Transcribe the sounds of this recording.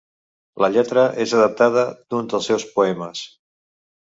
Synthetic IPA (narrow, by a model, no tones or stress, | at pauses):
ləʎɛt̪ɾəʔezəðəp̚t̪að̞əd̪̥unzd̪ðəlˠsɛwspuɛməs